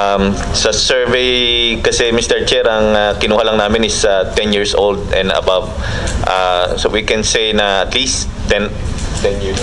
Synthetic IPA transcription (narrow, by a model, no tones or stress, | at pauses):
am | sɐsɛɹvejkɐsɛmist̪ɛɹt͡ʃɛɾɐŋakɪnuːhɐlɐŋnaːmɪnɪsat̪ɛnjiːɹsʔold̪̚ɛ̃nd̪ɐ̰bav | ʔasowikɛ̃nsejnɐʔɐt̪listːɛnt̪ɛnji